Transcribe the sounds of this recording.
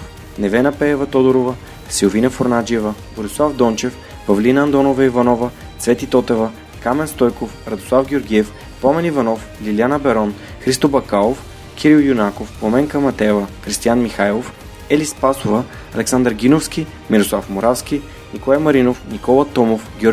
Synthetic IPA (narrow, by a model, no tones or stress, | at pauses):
nɛvɛnɐpɛːvɐt̪ɔd̪oɾovə | siovinɐfoɾnad͡ʒiɛvɐ | boɾislˠavd̪ɔnt͡ʃɛf | pɐvlinəɐnd̪ɔnovɐivɐnɔvɐ | svɛt̪it̪ɔt̪ɛvɐ | kamɛnst̪ɔjkofɾɐd̪oslˠafɡʲioɾɡʲiɛf | pɔmɛnivɐnɔf | lilianəbɛɾɔn | xɾist̪obɐkalˠof | kʲʰiɾilˠjunakofpomɛŋkəmɐt̪ɛvəxɾist̪ijanmixajlˠof | ɛlispasovə | ɐlɛksand̪əɾɡʲinofskʲi | miɾoslˠafmoɾafskʲi | nikolˠajmɐɾinofnikɔlˠɐt̪ɔmofɡʲɔɾ